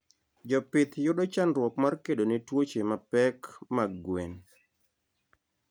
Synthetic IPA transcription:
d͡ʒɔpɪt̪jʊɗɔt͡ʃanɾwɔkmarkeɗonetwot͡ʃemapɛkmaɡwen

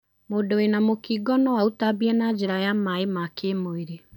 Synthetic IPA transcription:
moːdowenamokiɡɔnɔwautabiɛnad͡ʑeɾajamaemakemoiɾe

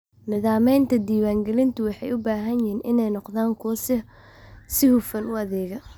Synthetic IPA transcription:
nɪðaːmɛjnt̪ʰɐd̪iːwaːŋɡɛlɪnt̪ʰʊwɑħɑjʊbaːɦɐnjɪɦiːnʔɪnɛjnɔqðaːŋkʰɔːsɛ | sɪhufɐnʊɐðɛːɣɐ

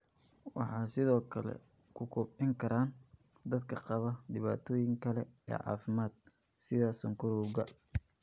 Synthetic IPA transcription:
wɑ̰ħɑːsɪðɔːkʰɐlɛ̰ | kʰʊkʰʊbʕɪŋkʰɐɾaːn | d̪ɐd̪kʰɐqɑβɐd̪ɪβa̰ːt̪ʰɔːjɪŋkʰɐlɛɛ̰ːʕɑ̰ːfɪmaːd̪̥̚ | sɪðaːsɐŋkʰʊɾɔɣɐ

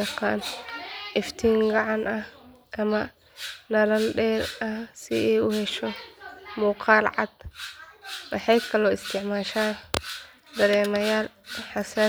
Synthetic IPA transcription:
ɑqɑ̰ːnʔɪft̪ʰiːŋɡɑʕɑnɐh | ʔɐmɐ | nɐɾɐnɖɛːɾɐhsɪɛjʊhɛʃɔmuːqʰɑːlʕɑ̰d̪ | wɑħɑjkʰɐlɔːɪst̪ʰɪʕmaːʃaːn | d̪ɐɾɛːmɐjaːl | ħɑsaː

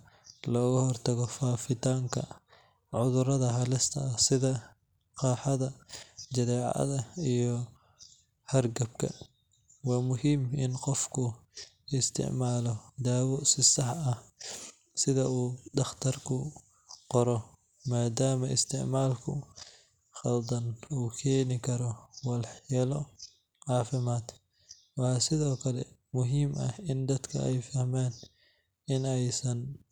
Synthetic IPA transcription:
lɔːɣɐhɔrt̪ʰɐɣɔfaːfɪt̪ʰaːŋkʰɐ̰ | ʕʊðʊɾɐðɐɦɐlɪst̪ʰɐɐsɪðɐ | qɑːħɑðɐd͡ʒɐðɛːʕɐ̰ðɐijɔ | hɐrɡɐb̚kʰɐ̰ | wɑːmʊhiːmɪnqɔfkʰʊ | ɪst̪ʰɪ̰ʕmaːlɔd̪aːwɔsɪsɑħɐh | sɪðɐuːɖɑχt̪ʰɐrkʰʊ | qɔɾɔ | maːd̪aːmɐʔɪ̰st̪ʰɪʕmaːlkʰʊ̰ | xɐld̪ɐnuːkʰɛːnɪkʰɐɾɔwɑlħjɛlɔ | ʕɑːfɪmaːd̪ | wɑːsɪðɔːkʰɐlɛ̰ | mʊɦiːmʔɐ̰hɪnd̪ɐd̪kʰɐ̰ɛjfɐhmaːn | ɪnɛjsɐn

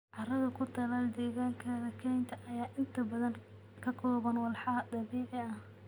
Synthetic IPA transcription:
ʕɑrɐðɐkʰʊt̪ʰɐlaːld̪ɛːɣaːŋkʰɐðɐkʰɛjnt̪ʰɐʔɐjaːʔɪnt̪ʰɐbɐðɐn | kʰɐkʰɔːβɐnwɐlħɑɐd̪ɑβiːʕɪɐh

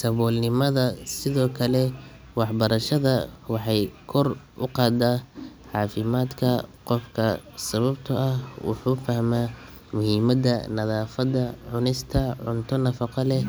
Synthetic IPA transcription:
sɐβɔːlnɪmɐðɐsɪðɔːkʰɐlɛ | wɑħbɐɾɐʃɐðɐwɑħɑjkʰɔrʔʊqɑːd̪aːʕɑːfɪmaːd̪kʰɐqɔfkʰɐsɐβɐbt̪ʰɐʔɐhwʊ̰ħuːfɐhmaː | mʊhiːmɐdɐ̰nɐðaːfɐd̪ɐʕʊnɪst̪ʰɐʕʊnt̪ʰɔnɐfɑqɑlɛ

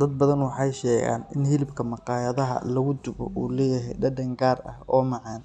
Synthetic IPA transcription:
d̪ɐd̪̚bɐðɐnwɑħɑjʃɛːɣa̰ːnɪnhɪlɪbkʰɐmɑqɑːjɐðɐɦɐ̰lɐɣʊd̪ʊβɔ̰ʔuːlɛːjɪɦɛ̰jɖɐɖɐŋɡaːrɐ̰hɔːmɑʕɑːn

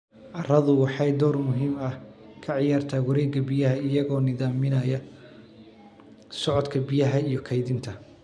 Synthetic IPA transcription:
ʕɑrɐðʊwɑħɑjd̪ɔːrmʊɦiːmɐh | kʰɐʕɪjaːrt̪ʰaːwɐɾɛːɡɐbɪjɐɦɐɪjɐɣɔːnɪðaːmɪnɐjɐ | sɔʕɔd̪kʰɐbɪjɐɦɐijɞkʰɐjðɪnt̪ʰɐ

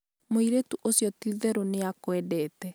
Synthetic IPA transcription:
moiɾetuʔosjɔtiðɛɾoneakwɛdɛːtɛ

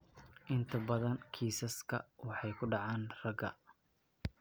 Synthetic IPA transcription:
ʔɪnt̪ʰɐbɐðɐnkʰiːsɐskʰɐ̰wɑħɑjkʰʊɖɑʕɑːnrɐɡɐ̰

